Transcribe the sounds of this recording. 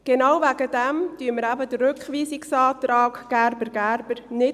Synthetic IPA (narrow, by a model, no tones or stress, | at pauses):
ɡ̥enawvæɡədæmtyəməɾæbəd̥əɾɾʏkχʋiːsɪksɑːt̪rɑːkɡ̥æɾbəɾɡæɾbəɾnɪ